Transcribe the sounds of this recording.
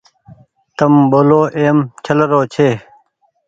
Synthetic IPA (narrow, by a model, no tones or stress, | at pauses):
t̪ɐmboːloːʔeːmt͡ɕʰɐlɐɾoːt͡ɕʰeː